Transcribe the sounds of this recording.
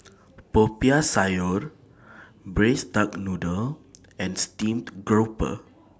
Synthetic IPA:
popiasajɔɹ | bɹesdak̚nudəl | ɛ̃nstĩmtɡɹopə̰

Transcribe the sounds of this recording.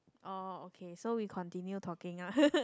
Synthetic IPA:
ʔɔokʰesowiːkʰɔ̃nt̪ʰinjut̪ʰɔkiŋa

